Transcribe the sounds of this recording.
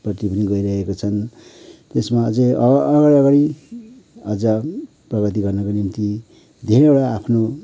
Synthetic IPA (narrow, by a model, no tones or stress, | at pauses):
prʌt̪ipʌniɡʌiɾʌɦekot͡sʰʌnt̪esmaʌd͡zeʌɡaɾiʌɡaɽi | ʌd͡zʌ | prʌɡʌt̪̬iɡʌrnʌkonimt̪i | d̪ʱeɾeoɽaːpʰno